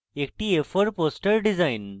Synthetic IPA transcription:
ek̚ʈiefoɾpoːsʈɐɾɖizajɪn

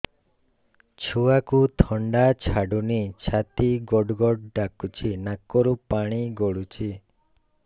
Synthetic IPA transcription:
t͡ʃʰuakut̪ʰɔɳɖat͡ʃʰaɖunit͡ʃʰat̪iɡɔɖɡɔɖɖakut͡ʃʰinakɔɾupaɽ̃iɡɔɭut͡ʃʰi

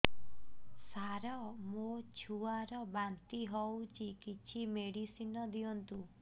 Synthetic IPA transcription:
saɾɔmot͡ʃʰuaɾɔbant̪iɦɔwt͡ʃʰikit͡ʃʰimeɽisinɔd̪iɔnt̪u

